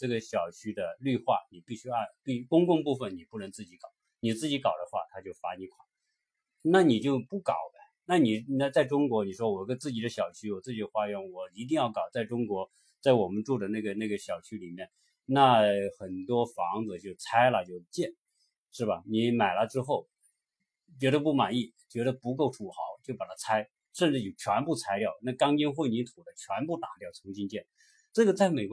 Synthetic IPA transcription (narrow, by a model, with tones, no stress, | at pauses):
ʈ͡ʂɤ˥˩ɡə˩ɕjɑ˨˩ʊt͡ɕʰy˥d̪ə˧ly˥˧xwa˥˩ni˨˩pi˥˩ɕy˥a˥˧˩t̪we˥˩ɪkʊ˥ŋkʊ˥˧ŋpu˥˧fə˨˩nni˨˩pu˥˩nə˧˥ŋt͡sɹ̩˥˩t͡ɕi˧˥kɑ˨˩˦ | ni˨˩t͡sɹ̩˥˩t͡ɕi˧˥kɑ˨˩ʊd̪ə˦xwa̰˥˩t̪ʰa˥t͡ɕjo˥˩ʊfa˧˥ni˧˥kʰwɑ˨˩˦ | na˥˩ni˨˩t͡ɕjo˥˧ʊpu˥˩kɑ˨˩ʊdə˦ | na˥˩ni˨˩na˥˧t͡sa˥˩ɪʈ͡ʂʊ˥ŋkwɔ˧˥ni˨˩ʂwɔ˥wɔ˨˩kə˥t͡sɹ̩˥˩t͡ɕi˨˩d̪ə˦ɕjɑ˨˩ʊt͡ɕʰy˥wɔ˨˩t͡sɹ̩˥˩t͡ɕi˨˩ə˦˥xwa˥ɥɛ˧˥nwɔ˨˩i˧˥t̪̬i˥˧ŋjɑ˥˩ʊkɑ˨˩ʊt͡sa˥˩ɪʈ͡ʂʊ˥ŋkwɔ˧˥ | t͡sa˥˩ɪwɔ˨˩mə˦nʈ͡ʂu˥˩d̪ə˩na˥˩ɡə˩na˥˩ɡə˩ɕjɑ˨˩ʊt͡ɕʰy˥li˨˩mjɛ˥˧n | na˥˩xə˨˩nt̪wɔ˥fɑ˧˥ŋd͡zɹ̩˧t͡ɕjo˥˩ʊt͡sʰa˥ɪlə˨t͡ɕjo˥˧ʊt͡ɕjɛ˥˩n | ʂɻ̩˥˩bɐ˩ni˧˥ma˨˩ɪlə˧˦ʈ͡ʂɻ̩˥xo˥˩ʊ | t͡ɕɥɛ˧˥ɾə˧pu˥˩ma˨˩ni˥˩ | t͡ɕɥɛ˧˥ɾə˧pu˧˥k̬o˥˩ʊʈ͡ʂʰu˨˩xɑ̰˧˥ʊt͡ɕjo˥˩ʊpa˨˩t̪ʰa˥t͡sʰa˥ɪ | ʂə˥˧nʈ͡ʂɻ̩˥˩jo˨˩t͡ɕʰɥɛ˧˥npu˥˩t͡sʰa˥ɪljɑ˥˩ʊna˥˩kɑ˥ŋt͡ɕi˥nxwe˥˩ɪni˧˥t̪ʰu˨˩d̪ə˦t͡ɕʰɥɛ˧˥npu˥˩t̪a˧˥˩ljɑ˥˩ʊt͡sʰʊ˧˥ŋɕi˥nt͡ɕjɛ˥˩n | ʈ͡ʂɤ˥˩ɡə˩t͡sa˥˩ɪme˨˩ɪk